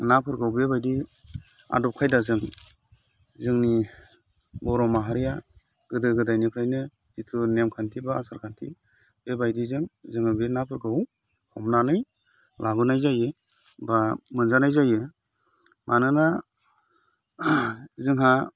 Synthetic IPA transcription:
napʰɯɾɡawbebajdi | a̰dɔp̚kʰajdazɯŋ | zɯŋni | bɔɾɔmaɦaɾija | ɡ̥ɯdɯɡɯdajnikʰɾajnɯ | ditʰunemkʰantʰibaːsaɾkʰantʰḭ | bebajdizɯŋzɯŋhɯbenapʰɯɾɡaw | hɔmnanɯj | lʔaɡɯnajzajɯ | bamɯnzanajzajɯ | mʔanɯna | zɯŋɦa

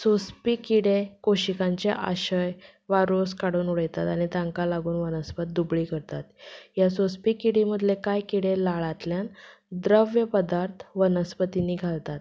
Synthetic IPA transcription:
sospikiɽekoɕikãɲt͡ɕḛʔa̰ɕəj | ʋaɾoskaɽuːnuɽəjt̪at̪aɽ̃it̪ãŋkalaɡuːnʋənəspət̪̚d̪ubɭiːkəɾt̪at̪jasospikiɽim̤əd̪lekajkiɽelaɭat̪ljan | d̪ɾəʋjəpəd̪aɾt̪ʰʋənəspət̪iniːɡʱalt̪at̪

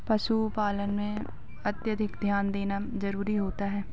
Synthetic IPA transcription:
pɐʃupaːlənmẽ | ɐt̪jəd̪ʱɪkd̪ʱjaːnd̪eːnazɐɾuːɾiɦoːt̪aɦɛː

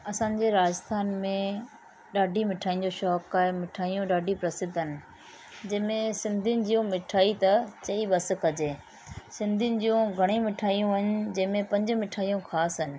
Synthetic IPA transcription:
ɐsãːɲd͡ʑeɾaːd͡ʑəɪst̪ʰaːnmẽ | ɗaːɖʱimɪʈʰaːĩnɲ̆d͡ʑoʃɔːkaːɦemɪʈʰaːijũɗaːɖʱipɾɐsɪd̪ʱɪnɪ̆ | d͡ʑɐɦmẽsɪ̃nd̪ʱinɪ̆d͡ʑiːjũmɪʈʰaːit̪ɐt͡ɕɐiɓɐs̆kɐd͡ʑeː | sɪ̃nd̪ʱinɪ̆d͡ʑijũɡʱɐɽ̃ĩmɪʈʰaːijũɐɲ̆d͡ʑɐ̃ɦɪ̃mẽpɐ̃ɲd͡ʑʊ̆mɪʈʰaːijũkʰaːsɦɪnɪ̆

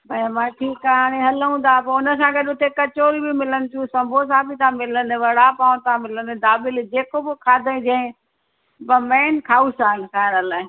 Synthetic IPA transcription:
bʱɐ̃mãːʈʰiːkaːaːɽ̃ẽɦɐləũd̪aːpɐʊnəs̬ãːɡɐɗʊt̪ʰekɐt͡ɕoːɾibʱimɪlənɪt͡ɕ̪ʰũsɐ̃mbʱos̬ãbit̪ãːmɪlənʋɐɽapãːt̪ãːmɪlənd̪aːbɪld͡ʑeːkobokʰaːd̪ʱəĩd͡ʑɐ̃ɪ̃ | bɐmɛːnkʰaːusaːənɪkaːɪɽɐlã

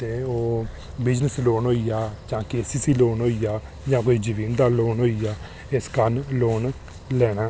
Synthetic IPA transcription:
t̪eːoː | bɪd͡ʒnəsloːnɦoːiːaːt͡ʃãːkeːsiːsiːloːnɦoːiːjaː | d͡ʒãːkoːiːd͡ʒəʋiːnd̪aːloːnɦoːiːaː | ɪskənloːn | lɛːɽaː

